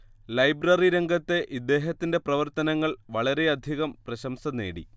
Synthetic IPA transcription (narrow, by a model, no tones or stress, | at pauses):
lɐjbrɐriɾe̞ŋɡʱɐt̪ːe̞ʔid̪ːe̞ːɦɐt̪ːinde̞prɐʋɐrt̪ɐnɐŋːɐɭʋɐɭɐɾe̞ɐd̪ʱiɣɐmprɐɕɐmsɐne̞̰ːɽḭ